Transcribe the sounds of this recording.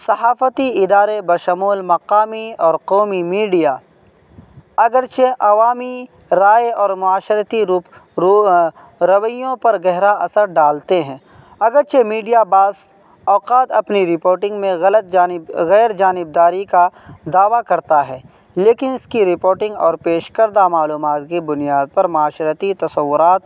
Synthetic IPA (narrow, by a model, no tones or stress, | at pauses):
sɐhaːfət̪iɪd̪aːɾebɐʃəmuːlmɐqaːmiɔːɾqɔːmimiːɖijaː | ɐɡəɾt͡ʃʰeʔɐʋaːmi | ɾaːjɔːɾmʊaːʃɾət̪iɾuːp | ɾɐʋəjõpɐɾɡɛɦɾaɐsəɾɖaːlt̪eɦɛ̃ː | ɐɡəɾt͡ʃʰemiːɖijabaːs | ɔːqaːt̪ɐpniɾɪpoːɾʈɪ̃ŋɡmẽɣɐlət̪̚ːɣɛːɾd͡ʒaːnɪb̚d̪aːɾikad̪aːʋakɐɾt̪aɦɛː | leːkɪnɪskiɾɪpoːɾʈɪ̃ŋɡɔːɾpeːʃkəɾd̪amaːluːmaːt̪kibʊnijaːd̪̚pɐɾmʊaːʃɾət̪it̪ɐsɐʋːʊɾaːt̪